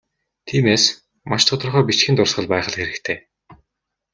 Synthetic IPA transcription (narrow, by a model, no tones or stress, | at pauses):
t̪ʰiːmeːs | maʃt̪ʰʊt̪ɞ̆rχœːpit͡ɕxint̪ʊrsχə̆ɮpæːχə̆ɮxeɾɘ̆kt̪ʰeː